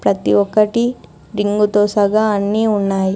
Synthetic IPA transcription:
pɾɐt̪iɔkːɐʈi | ɾiŋɡut̪oːsɐɡaɐnːiːunːaːji

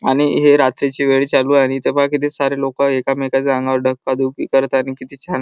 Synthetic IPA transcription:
aɽ̃iɦeɾat̪ɾet͡ɕiːʋeɭt͡ɕaluaɽ̃it̪epakit̪esaɾelokaekamekaãŋɡaʋəɾɖʱəkːad̪ukḭkəɾt̪añikit̪ʰiːt͡ɕʰan

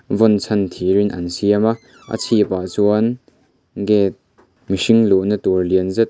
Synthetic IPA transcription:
vɔnt͡sʰɐnt̪ʰiːɾɪnʔɐ̰nsiɐma | ʔə̰t͡sʰipaʔt͡suɐn | ɡɛːt̪̚ | miʂiŋluʔnət̪uɹliənzɛt̪̚

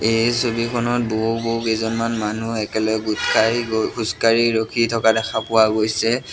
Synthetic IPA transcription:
ejsobikʰɔnɔt̚boɦuboɦukezɔnmanmanuɛkɛlɔɛɡutkʰajɡokʰuskaɹiɹokʰitʰɔkadɛxʰapʊwaɡojsɛ

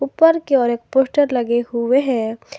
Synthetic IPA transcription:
upəɾkeɔːɾeːk̚poːsʈəɾlɐɡehʊeɦɛ̃

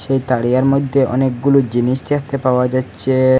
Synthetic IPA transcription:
ʃejt̪aɽijaɾmod̪ʱːeʔɔ̰nek̚ɡulod͡ʑiniʃt̪ekt̪epaoad͡ʑatːɕʰe

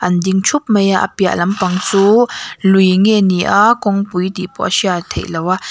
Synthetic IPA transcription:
ʔandiŋt͡ʃʰup̚məjaʔa̰pia̰ʔlampaŋt͡suluŋeniʔakɔŋpujt̪ipɔ̰ʔasiat̪ʰḛʔlawa

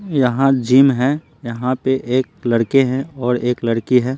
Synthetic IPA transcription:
jɐɦãd͡ʒiːmɦɛ̃ | jɐɦãpeʔeːk̚lɐɽkeɦɛ̃ɔːɾeːklɐɽkiɦɛː

